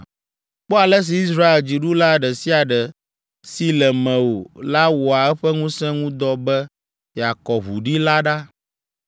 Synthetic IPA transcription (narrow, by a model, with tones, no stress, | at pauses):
k͡pɔ˦a˨lɛ˦s̬i˨i˦sɾa˦e˨ld͡ʑi˨ɖu˦la˦ɖɛ˨si˦a˨ɖɛ˨ | si˦lɛ˨mɛ̃˨wo˨la˦wɔ˨a˨ɛ˦ɸɛ˦ŋũ˦sɛ̃˦ŋũ˦d̪ɔ˦bɛ˦ | ja˨kɔ˨βṵ˨ɖi˦la˦ɖa˦